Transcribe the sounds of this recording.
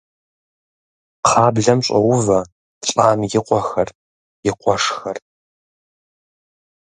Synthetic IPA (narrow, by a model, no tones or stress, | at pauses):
qʰɑːbɮɐmɕʼɐwʊvɐ | ɕʼaːmjɪqʷɔxɐr | jɪqʷɔʂxɐr